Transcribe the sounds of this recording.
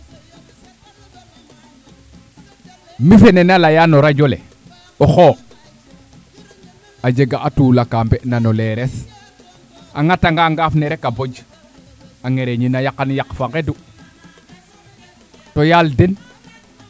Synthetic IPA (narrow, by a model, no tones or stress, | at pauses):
mifenenalajanoɾaɟolḛ | oxo | ad͡ʒeɡaʔatuːlakambeʔnanoleɾes | aŋataŋɡaŋɡafneɾekabod͡ʒ | aŋeɾeɲinajakanjakfaŋɡedu | tojalden